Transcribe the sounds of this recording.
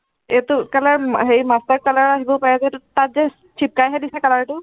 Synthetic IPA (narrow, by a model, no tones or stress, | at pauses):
etʊkalaɹɦejmastaɹkalaɹaɦibɔpaɹɛzɛtat̚zɛ | t͡ʃʰip̚kajɦadisɛkalaɹtʊ